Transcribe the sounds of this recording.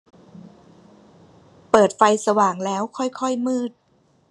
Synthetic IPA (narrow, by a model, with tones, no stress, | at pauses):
pɤː˨˩t̪̚fa˧jsa˧waː˨˩ŋlɛː˦˥wkʰɔ˥˩jkʰɔ˥˩jmɯː˥˩t̪̚